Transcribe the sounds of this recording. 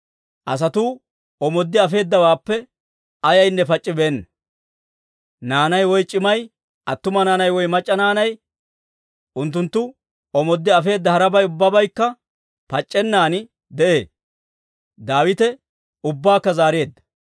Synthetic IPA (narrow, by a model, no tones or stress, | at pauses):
ʔɐs̬ɐt̪uː | ɔmɔd̪ːɪɐfe̞ːd̪ːɐwaːpːɛ | ɐjɐjnːɛpɐt͡ʃʼːɪbeːnːɐ | naːnɐjwɔjt͡ʃʼɪmɐj | ʔɐt̪ːʊmɐnaːnɐjwɔjmɐt͡ʃʼːɐnaːnɐj | ʔʊnt̪ːʊnt̪ːʊ | ɔmɔd̪ːɪɐfe̞ːd̪ːɐhɐɾɐbɐjʊbːɐbɐjkːɐ | pɐt͡ʃʼːɛnːaːnɪ | d̪ɛʔḛː | d̪aːwɪt̪ɛ | ʊbːaːkːɐzaːɾeːd̪ːɐ̥